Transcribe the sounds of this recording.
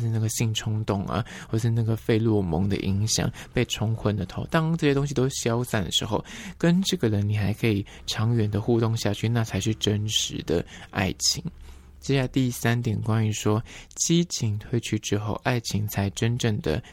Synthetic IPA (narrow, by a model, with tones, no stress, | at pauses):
ʂɻ̩˥˧na˥˩ɡə˩ɕi˥˩ŋʈ͡ʂʰʊ˥ŋt̪ʊ˥˩ŋɐ̰˩xwɔ˥˩˨ʂɻ̩˥˧na˥˩ɡə˩fe˥˧ɪlwɔ˥˩mɤ̰˧˥ŋd̪ə̰˧ʔi˧˥ŋɕjɑ̰˨˩˦ŋpe˥˩ɪʈ͡ʂʰʊ˧˥ŋxwə˧˥nd̪ə˨t̪ʰo˧˥ʊt̪ɑ˥ŋʈ͡ʂɤ˥˩ɕjɛ˥t̪ʊ˥ŋɕ̬i˧t̪o˥ʊɕjɑ˥ʊsa˥˩nd̪ə˨˩ʂɻ̩˧˦˥xo˥˩ʊkə˦nʈ͡ʂɤ˥˩ɡə˩ɻə˧˦nni˨˩xa˧˥ɪkʰɤ˧˥i˨˩ | ʈ͡ʂʰɑ˧˥ŋɥɛ˨˥nd̪ə˧xu˥˧t̪ʊ˥˧ŋɕja˥˧t͡ɕʰy˥˧na˥˧t͡sʰa˧˥ɪʂɻ̩˥˩ʈ͡ʂə˥nʂɻ̩˧˦d̪ə̰˧a̰˥˩ɪt͡ɕʰi˧˥ŋ | t͡ɕjɛ˥˧ɕja˥˧t̪i˥sa˥nt̪jɛ˨˩nkwa˥ny˧˥ʂwɔ˥t͡ɕi˥t͡ɕʰi˧˥ŋt̪ʰwe˥˧ɪt͡ɕʰy˥ʈ͡ʂɻ̩˥xo˥˩ʊʔa˥˩ɪt͡ɕʰi˧˥ŋt͡sʰa˧˥ɪʈ͡ʂə˥nʈ͡ʂɤ˥˩ŋd̪ə̰˩